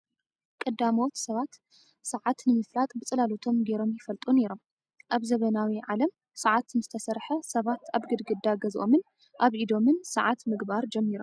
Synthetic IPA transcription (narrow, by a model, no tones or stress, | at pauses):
kʼɨd̪ːamot̪sɐβat̪ | sɐʕat̪nɨmɨflat̪ʼbɨt͡sʼɨlalot̪ʰo̞mɡeɾo̞mjɪfɐlt̪ʼuneɾo̞m | ʔaβzɐβɐnawiʕalɐm | sɐʕat̪nɨzɨt̪ʰɐsɐɾħɐsɐβat̪aβɡɨd̪ɡɨd̪aɡɐzʔo̞̰mɨn | ʔaβʔid̪o̞mɨnsɐʕat̪mɨɡbaɾd͡ʒɛmːiɾom